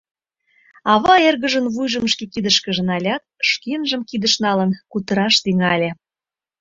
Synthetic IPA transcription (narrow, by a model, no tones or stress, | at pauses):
ɑβɑerɣə̆ʒə̆nβujʒə̆mʃkekid̪ə̆ʃkə̆ʒə̆nɑlʲɑt̪̚ʃkenʒə̆mkid̪ə̆ʃnɑlə̆nkut̪əɾɑʃt̪iŋɑlʲe